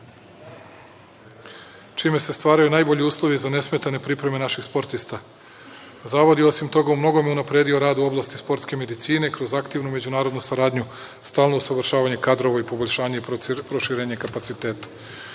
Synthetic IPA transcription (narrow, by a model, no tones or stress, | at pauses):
t͡ʃiːme̞se̞st̪ʋaːɾajunaːjbo̞ʎiuːslˠo̞ʋizane̞sme̞t̪ane̞pɾipɾe̞me̞naʃixspo̞ɾt̪ist̪a | zaːʋod̪jeo̞simt̪o̞ɡaumno̞ɡomjeunapɾed̪io̞ɾaːd̪uo̞blˠaːst̪ispo̞ɾt̪ske̞me̞d̪it̪siːne̞kɾo̞zakt̪iʋnume̞d͡ʑunaːɾo̞d̪nusaɾaːd̪ɲu | st̪aːlˠno̞usaʋr̩ʃaːʋaɲe̞kad̪ɾo̞ʋaipo̞boʎʲʃaːɲepɾo̞ʃiɾeːɲekapat̪sit̪e̞ːt̪ḁ